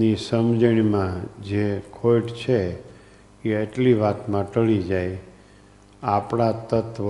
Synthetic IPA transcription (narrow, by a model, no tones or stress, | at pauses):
nisəmd͡ʒəɽ̃imãd͡ʒekʰojʈt͡ʃʰe | eəʈliʋat̪mãʈəɭid͡ʒaj | apɳ̃at̪ət̪ʋ